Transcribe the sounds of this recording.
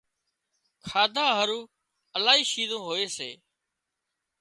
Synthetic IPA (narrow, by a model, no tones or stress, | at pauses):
kʰaːd̪ʱaːɦəɾuː | əlaːɦiːʃiːzõːɦoːeːsḛː